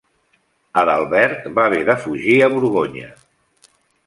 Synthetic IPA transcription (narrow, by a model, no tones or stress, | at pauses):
əðalˠβɛɾt̪baβɛðəfuʒiəβuɾɣoɲə̰